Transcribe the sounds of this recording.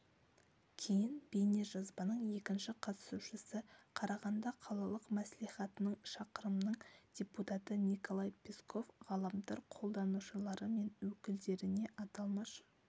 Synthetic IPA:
kʲʰe̞jɪnbejne̞ʒɑzbɑnəɴje̞kʲɪnʃɪqʰɑt̪ə̥suʃəsəqʰɑɾɑʁɑnd̪ɑqʰɑlˠɑlˠəqmæsliχɑt̪ənəɴʃɑqəɾəmnəɴd̥ʲe̞put̪ɑt̪ənʲiko̞lˠɑjpʲʰeskʰo̞fʁɑlˠəmd̪ɑɾqʰo̞lˠd̪ɑnuʃəlˠɑɾəme̞nwɵkʲɪld̪e̞ɾɪne̞ʔɑt̪ɑlˠmɑʃə̥

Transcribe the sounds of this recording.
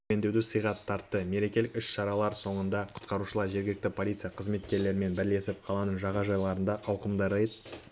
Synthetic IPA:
e̞nd̪e̞wd̪ɪsəjʁɑt̪ʰːɑɾt̪ːəme̞ɾe̞kʲe̞lɪkʏʃʃɑɾɑlˠɑɾso̞ɴənd̪ɑqʰʊ̥t̪qɑɾuʃəlˠɑɾʒe̞ɾɡʲɪlɪk̚t̪ɪpʰolʲˠit̪sijɑqʰəzme̞t̪kʲe̞ɾle̞ɾɪme̞nbɪɾle̞sɪp̚qʰɑlˠɑnəɴʒɑʁɑʒɑjlˠɑɾənd̪ɑʔɑwqəmd̪əɾejt̪

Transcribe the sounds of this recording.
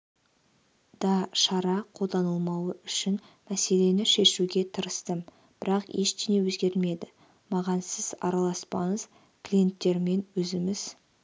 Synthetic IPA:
d̪̥ɑʃɑɾɑqʰo̞lˠd̪ɑnəlˠmɑwəʔʏʃɪn | mæse̞le̞nɪʃe̞ʃuɡʲe̞t̪ʰəɾəst̪ə | b̥ɪɾɑqeʃt̪enewɵzɡʲe̞ɾɪlme̞d̪ɪ | mɑʁɑnsɪzɑ̰ɾɑlˠɑspɑɴəz̥ | klʲije̞nt̪ːe̞ɾme̞nwɵzɪmɪz̥

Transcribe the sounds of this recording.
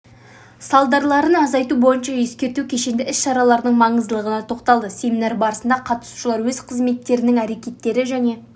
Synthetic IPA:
sɑlˠd̪ɑɾlˠɑɾənɑzɑjt̪ubo̞jənʃɑʒe̞skʲe̞ɾt̪ukʲʰe̞ʃe̞nd̪ɪʔɪsʃɑɾɑlˠɑɾd̪əɴmɑɴəzd̪əlˠəʁənɑt̪ʰo̞qt̪ɑlˠd̪əse̞mʲinɑɾbɑɾəsənd̪ɑqʰɑt̪ə̥su̥ʃəlˠɑɾwɵz̥qʰəzme̞t̪ːe̞ɾɪnɪŋæɾe̞kʲe̞t̪ːe̞ɾɪʒæne̞

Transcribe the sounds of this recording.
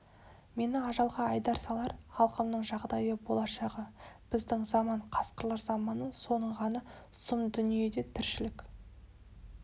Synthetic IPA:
me̞nɪɑʒɑlˠʁɑɑjd̪ɑɾsɑlˠɑɾχɑlˠqəmnəɴʒɑʁd̪ɑjəbo̞lˠɑʃɑʁəb̥ɪzd̪ɪŋzɑmɑɴqʰɑsqəɾlˠɑɾzɑmɑnəso̞nəɴʁɑnɑ | sʊmd̪ʏnije̞d̪e̞t̪ʰɪɾʃɪlɪk

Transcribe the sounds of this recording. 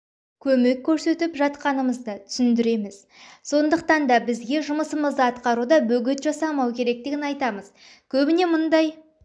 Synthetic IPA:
kʲʰɵme̞kʲʰːɵɾse̞t̪ɪpʒɑt̪qɑnəməzd̪ət̪ʰʏ̥sʏnd̪ɪɾe̞mɪz̥ | so̞nd̪əqt̪ɑnd̪ɑbɪzɡʲe̞ʒʊməsəməzd̪əɑt̪qɑɾud̪ɑbɵɡʲɪt̪ʒɑsɑmɑwkʲʰe̞ɾe̞k̚t̪ɪɡʲɪnɑjt̪ɑməz̥ | kʲʰɵbɪne̞mʊnd̪ɑj

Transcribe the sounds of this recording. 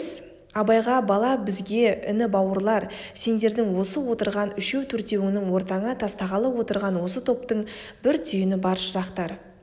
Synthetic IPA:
s | ɑbɑjʁɑbɑlˠɑbɪzɡʲe̞ɪ̰nɪbɑwəɾlˠɑɾ | se̞nd̪e̞ɾd̪ɪŋwo̞səwo̞t̪əɾʁɑnʏʃe̞wt̪ʰɵɾt̪e̞wɪnɪŋwo̞ɾt̪ɑɴət̪ʰɑst̪ɑʁɑlˠəwo̞t̪əɾʁɑnwo̞sət̪ʰo̞pt̪əɴbɪɾt̪ʰʏjɪnɪbɑɾʃəɾɑqt̪ɑɾ

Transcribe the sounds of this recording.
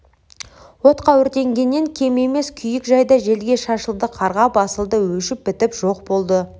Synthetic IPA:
wo̞t̪qʰɑwʏɾt̪e̞ŋɡʲe̞nːe̞ŋkʲʰe̞me̞me̞skʲʰʏjɪkʒɑjd̪ɑʒe̞lɡʲe̞ʃɑʃəlˠd̪əqʰɑɾʁɑbɑsəlˠd̪əwɵʃɪp̚bɪt̪ɪpʒ̥o̞qbo̞lˠd̪ə

